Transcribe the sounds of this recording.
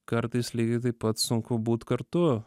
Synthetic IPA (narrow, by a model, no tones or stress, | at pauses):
kɐɾt̪isliɡet̪̬ipɐt̪sõŋkʰobut̪kɐɾt̪o